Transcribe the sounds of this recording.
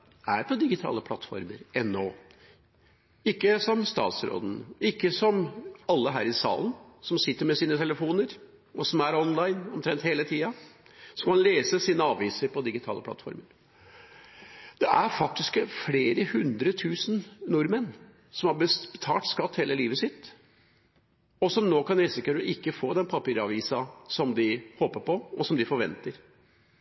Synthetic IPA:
æɾpʰɔd̪ɪɡɪt̪ʰɑ̰ːləpʰlɑ̰t̪ːfɔ̰ɾmə̰ɾʔɛnːoː | ɪkːəsɔmst̪ɑ̰ːt̪sɾo̰ːd̪n̩ɪkːəsɔmɑlːəɦæːɾɪsɑ̰ːlənsɔmsɪt̪ːəɾmɛsiːnət̪ʰɛləfuːnəɾ | ɔsɔmæɾɔnlɑɪnɔmt̪ʰɾɛnt̪heːlət̪ʰiːɑsɔmkʰɑnleːsəsiːnəɑːʋiːsəɾpʰɔd̪ɪɡɪt̪ʰɑ̰ːlʔəpʰlɑ̰t̪fɔ̰ɾməɾ | d̪̥ɛʔæɾfɑk̚t̪ɪskfleːɾəhʉnd̪ɾət̪ʰʉːsn̩nʊɾmən | sɔmhɑɾbəbət̪ʰɑ̰ːʈ̪skɑt̪ːheːlʔəliːʋəsɪt̪ː | ɔsɔmnoːkʰɑnɛsɪkəɾɔʔɪkːəfoːd̪ɛnpʰɑpiːɾɑʋiːsɑsɔmd̪ɪhoːpəɾpɔɔsɔmd̪ɪfɔɾʋɛ̰nt̪əɾ

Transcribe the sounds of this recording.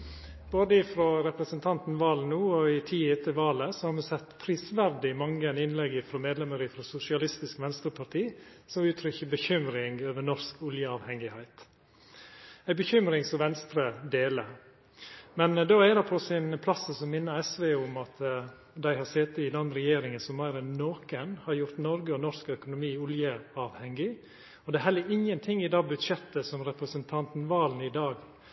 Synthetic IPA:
boːd̪əɪfɾoːɾɛpɾəsənt̪ʰɑnt̪n̩ʋɑːlnuːɔɪt̪ʰiːɛt̪ʰːəʋɑːləsɔhɑɾmɑsɛt̪ːpʰɾiːsʋæɾd̪ɪmɑŋːəɛnɪnlɛɡɪfɾoːmeːd̪lɛməɾɪfɾoːsʊsɪɑlɪst̪ɪskʋɛnst̪ɾəpʰɑɾt̪ʰiːsɔmʉːt̪ʰɾʏçəbəçʏmɾɪŋøːʋənɔɾskʊljəɑːʋhɛŋɪhæɪt̪ | æɪbəçʏmɾɪŋsɔʋɛnst̪ɾəd̪eːlə | mɛnd̪oːɛd̪ɛpʰɔsɪnpʰlɑsəsɔmmɪnːəɾɛsʋeʊmɑt̪ | d̪æɪhɑseːt̪əɪd̪ɛnɾɛjeːɾɪŋənsɔmmæɪɾənnoːkənhɑɾjʊɾt̪nɔɾɡəɔnɔɾskœkʊnʊmiːʊljəɑːʋhɛŋɪ | ɔd̪ɛæːɾhɛlːəɾɪŋənt̪ʰɪŋːɪd̪ɑːɡbʉd̪ʂɛt̪ːəsɔmɾɛpɾəsənt̪ʰɑnt̪nʋɑːlnɪd̪ɑːɡ

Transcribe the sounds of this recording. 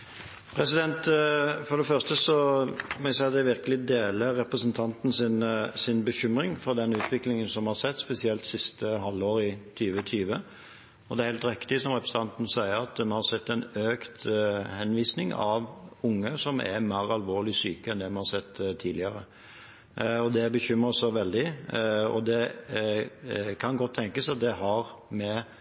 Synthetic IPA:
pʰɾɛsɪd̪ɛnt̪fɔɾd̪ɛfœʁst̪əsɔmɔæsæɪɑt̪d̪æʋɪɾkəlɪd̪eːləɾːɛpɾəsənt̪ʰɑnt̪n̩sɪnsɪnbəçʏmɾɪŋfɔɾd̪ɛnʉːt̪ʰʋɪklɪŋənsɔmhɑʁsɛt̪ːspɛsɪɛlt̪sɪst̪əɦɑlːoːɾɪt̪ʰyːʋət̪ʰyːʋə | ɔd̪ɛæɾheːlt̪ɾɪkt̪ɪsɔmɾɛpɾəsət̪ʰɑnt̪n̩sæɪəɾɑt̪̚d̪mɛnhɑɾsɛt̪ːɛnøːkt̪hɛnʋiːsnɪŋɑʋʊŋːəsɔmæ̰ɾmæːɾɑlʋoːɭɪsyːkəɛnd̪ɛmɛnhɑɾsɛt̪ːt̪ʰːiːd̪ɪəɾə | ɔd̪ɛbəçʏmɾəsɔʋɛld̪ɪɔ̰d̪ɛ | kʰɑnɡɔt̪ʰːɛŋkəsɑt̪̚d̪ɛɦɑɾmɛ

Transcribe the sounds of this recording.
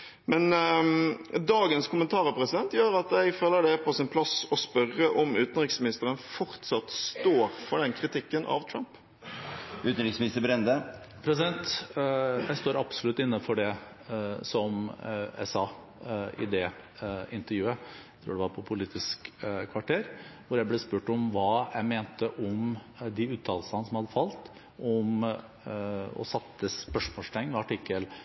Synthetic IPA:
mɛn | d̪ɑːɡənskʰʊmənt̪ʰɑːɾəpʰɾɛsɪd̪ɛnt̪jøːɾɑt̪jɛɪɡføːlːəɖɛpʰɔsɪnpʰlɑsɔspœɾəʔɔmʉːt̪ənɾɪksmɪnɪst̪əɾənfɔɾt̪sɑt̪st̪oːɾfɔɖɛnkʰɾɪt̪ʰɪkːənʔɑ̰ʋt̪ʰɾɑmp | ʉːt̪n̩ɾɪksmɪnɪst̪əbɾɛnd̪ə | pʰɾɛsɪd̪ɛnt̪ | jæɪst̪oːɾɑbsɔlʉt̪ːɪnːəfɔɖɛ | sɔmɛ̰sɑː | ɪ̰d̪ɛɪnt̪əɾjʉːət̪ʰɾuːɖɛʋɑɾpʰɔpʰʊliːt̪ɪskkʰʋɑʈʰeːɾʋʊɾjæɪblɛːspʉːʈɔmʋɑːjæɪmeːnt̪əʔɔm | d̪ɪʉːt̪ʰɑːllsənəsɔmhɑd̪ːəfɑlt̪ | ʔɔm | ɔ̰sɑt̪ːəspœʂmoːst̪ʰɛŋːəɑʈɪkːəl

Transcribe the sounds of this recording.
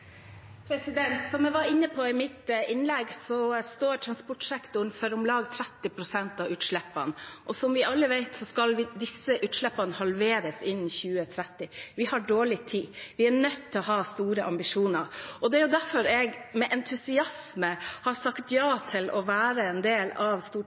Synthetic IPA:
pʰɾɛsɪd̪ɛnt̪sɔmɛʋɑɾɪnːəpʰɔɪmɪt̪ɪnlɛɡsɔst̪oːʈʰɾɑnspɔʈsɛkt̪ʊɳfœɾʊmlɑːɡt̪ʰɾɛt̪ːɪpʰɾʊsɛnt̪ɑʉːt̪ʂɭɛpːɑ̰nʔɔsɔmʋɪʔɑlːəʋæɪt̪sɔskɑlʋɪd̪ɪsəʔʉːt̪ʂɭɛpːɑnəhɑlʋeːɾəsɪnːçʉːət̪ʰɾɛt̪ːɪʋɪhɑɖoːɭɪt̪ʰiːʋɪæɳœt̪ʰːɪlɔɦɑːst̪uːɾəʔɑ̰mbɪʂuːnəɾʔɔd̪ɛæɾjʊd̪æɾfɔɾɛɡmɛʔɛnt̪ʰʉsɪɑsməhɑɾsɑkt̪jɑːt̪ʰɪlɔʋæːɾəɛnd̪eːlɑʋst̪uː

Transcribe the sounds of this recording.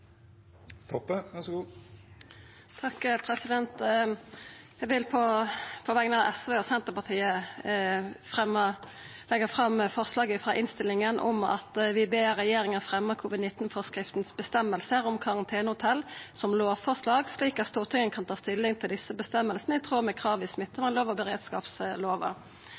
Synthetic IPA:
t̪ʰɔpːəʋæsɡuː | t̪ʰɑkːpʰɾɛsɪd̪ɛnt̪ | jæʋɪlpʰɔpʰɔʋɛɡnɑɛsʋeːɔsɛnt̪əʁpɑʁt̪ʰiːə | fʁɛmːə | lɛɡəfʁɑmfɔʁslɑːɡəfʁɑʔɪnst̪ɪlɪŋənʔɔ̰mɑ̰t̪ʋɪbeːʁɛjeːɾɪŋənfɾɛmːəkʰuːʋɪd̪nɪt̪ːn̩fɔʁskʁɪft̪nsbəst̪ɛmːəlsəʁɔmkʰɑʁɑnt̪ʰeːnəhʊt̪ʰɛlsɔmloːʋfɔʁʂlɑːɡsliːkɑt̪st̪uːʁt̪ʰɪŋːənkʰɑnt̪ʰɑːst̪ɪlːɪŋt̪ʰɪld̪ɪsːəbəst̪ɛmːəlsnəɪt̪ʰʁuːʁmɛkʰɾɑːʋɪsmɪt̪ːəmɛnloːʋɑbəɾeːd̪skɑ̰ːpsloːʋə̰

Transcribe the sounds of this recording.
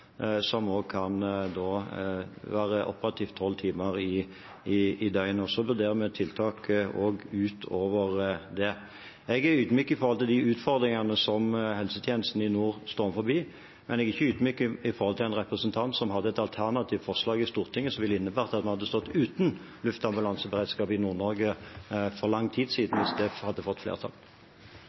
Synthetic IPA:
sɔmoːɡ̚kʰɑnd̪oː | ʋæːɾəʔɔ̰pəɾɑt̪ʰiːft̪ʰːɔlːt̪ʰiːməɾɪ | ɪːd̪œʏnɔsɔʋʉʁd̪eːʁəmɛt̪ʰɪlt̪ʰɑːkoːɡʉːt̪ʰoːʋəʁd̪ɛ | ɛɡæʉːd̪myːkːəɪfɔɾhɔlt̪ʰɪld̪ɪʉːt̪fɔʁd̪ɾɪŋɑnəsɔmhɛlsət̪ʰjeːnəst̪n̩ɪnuːʁst̪oːʁməfɔɾbiː | mɛnɛɡɪçːəʉːd̪myːkəɪfɔɾhɔlt̪ʰɪlæɪnʁɛpʁəsənt̪ʰɑnt̪sɔmhɑd̪ːəɛt̪ɑlt̪ʰæʁnɑt̪ʰiːʋt̪fɔʁʂlɑːɡɪst̪uːʁt̪ʰɪŋːəsɔmʋɪlːəɪnːəbæːɾʁt̪ɑt̪mɛhɑd̪ːəst̪ɔt̪ːʉːt̪n̩ | lʉft̪ɑmbʉlɑnsəbəʁɛɪd̪skɑːpɪnuːʁnɔɾɡəfɔʁlɑŋːt̪ʰiːd̪siːd̪n̩ʋɪsd̪ɛhɑd̪ːəfɔt̪ːflḛːʁt̪ʰɑ̰l

